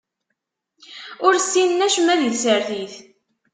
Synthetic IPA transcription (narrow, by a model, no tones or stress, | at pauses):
ʊɾsːinnæʃmæðiðsəɾθiθ